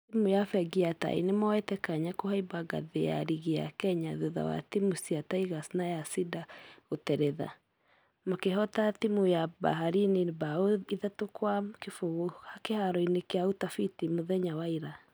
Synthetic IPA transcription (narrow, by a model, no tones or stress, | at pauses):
imujafɛɡiata̰ḭnemɔetɛkaɲakohaibaɡa̰ðeja̰ɾiɣea̰kɛɲaðuða̰wa̰timusiataiɣasnajasidaotɛɾɛða̰ | makeɦɔtatimujaba̰ɦaɾinibaoiðatokwakefoɣohakehaɾɔinekeautafitimoðɛɲawaiɾa